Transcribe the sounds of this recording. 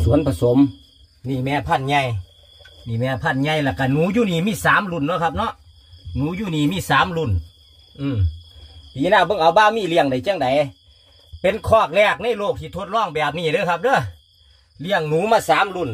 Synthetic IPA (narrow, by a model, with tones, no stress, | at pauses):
su˨˦ənpʰa˧so˨˦m | niː˧˩mɛː˧˥pʰa˧˥˩nɲa˧˩j | niː˧˩mɛː˧pʰa˧˩˨nɲa˧˩jlaː˧˩ka˧˩nuː˨˦juː˧˨niː˧˩miː˧˥˨saː˨˦mlu˧˩˨nːɔ˧˦kʰa˧p̚nɔ˧˥˨ʔ | nuː˨˦juː˧˩niː˧˩miː˧˨saː˨˦mlu˧˩n | ʔɯː˧˩ | t̪iː˨˦naː˧˩bɤ˧˨ŋʔa˨˦wbaː˧˨miː˧˩˨li˧˨əŋda˨˩˦jt͡ɕa˧˥˨ŋda˨˦j | pe˨˧˦nkʰɔː˧˩k̚lɛː˧˩k̚na˧˥˨jloː˧˩k̚t̪ʰiː˧t̪ʰo˧˦t̪̚lɔː˧˥˩ŋbɛː˨˩p̚niː˧˩˨dɤː˧˦˨kʰa˧˥p̚dɤː˧˥˩ | li˧˨əŋnuː˨˦maː˧˨saː˨˦mlu˧˩n